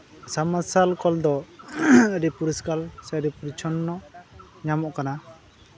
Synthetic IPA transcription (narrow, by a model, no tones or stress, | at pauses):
samasalkɔld̪ɔ | əɾipuɾiskalsɛɾipuɾit͡ʃʰɔnːɔ | ɲamɔʔkana